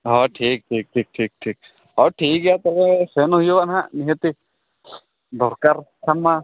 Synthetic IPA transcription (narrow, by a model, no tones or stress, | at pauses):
ɦɔʈʰiːk̚ʈʰiːk̚ʈʰiːk̚ʈʰiːk̚ʈʰiːk̚ | ɔʈʰiːkɡijat̪ɔbesenoɦijoʋanɦãniɦet̪i | d̪ʱɔɾkaɾkʰamːa